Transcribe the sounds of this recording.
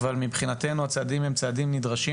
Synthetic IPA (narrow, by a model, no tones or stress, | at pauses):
valmibχinate̞nuat͡sadimemt͡sadimnidʁaʃi